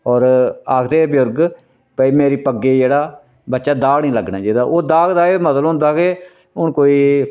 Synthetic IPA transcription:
ɔːɾaːkʰd̪eːbɪjʊɾɡ | pəiːmeːɾiːpəɡːeːd͡ʒeːɽaː | bətːʃaːd̪aːɡnĩːləɡnãːd͡ʒeːd̪aːʔoːd̪aːɡd̪aːeːməd̪əlɦʊ̃nd̪aːkeː | ʊɳkoːiː

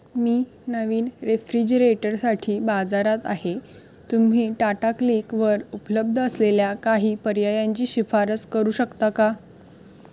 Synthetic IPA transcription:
miː | nəʋiːnɾefɾid͡ʑəɾeʈəɾsaʈʰiːbad͡zaɾat̪a̰ɦe | t̪um̤ɦiːʈaʈaklikʋəɾupələb̚d̪ʱəəsleljakaɦiːpəɾjajaɲt͡ɕiːɕifaɾət͡skəɾuːɕəkt̪aka

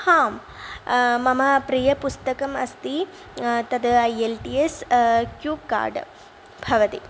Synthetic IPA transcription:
haːm | mɐmɐpɾijɐpust̪ɐkɐmɐst̪i | t̪ɐd̪ɐjelʈiːeskjuːb̚ka̰ːɾɖ | bʱɐʋɐt̪i

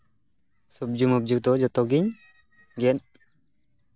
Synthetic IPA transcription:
sub̚d͡ʒumɔb̚d͡ʒuk̚d̪ɔd͡ʒɔt̪ɔɡiɲ | ɡɛn

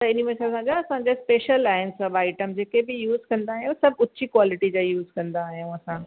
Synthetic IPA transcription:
t̪ɐɪnimesasãd͡ʑaɐsãɲd͡ʑaspeːʃəlaːɦɪnsɐbaːɪʈəmd͡ʑeːkebɪjuːzkɐ̃nd̪aːɦijõsɐbʱʊːɕikwaːlɪʈid͡ʑajuːzkɐ̃nd̪aːɦijũɐsã

